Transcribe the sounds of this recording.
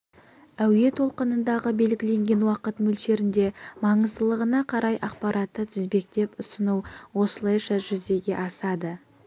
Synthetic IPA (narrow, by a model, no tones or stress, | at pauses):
æwje̞t̪ʰo̞lˠqənənd̪ɑʁəbe̞lɡʲɪle̞ŋɡʲe̞nwɑqət̪mʏlʃe̞ɾɪnd̪e̞mɑɴəzd̪əlˠəʁənɑqʰɑɾɑjʔɑq̚pɑɾʔɑt̪ːət̪ʰɪzbe̞k̚t̪e̞pʊsənuwwo̞səlˠɑjʃɑʒʏzd̪e̞ɡʲe̞ʔɑsɑd̪ə